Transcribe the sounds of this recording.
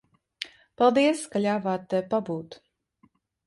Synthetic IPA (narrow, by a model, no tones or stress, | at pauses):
palˠd̪iəskalʲaːvaːt̪ːɛpabuːt̪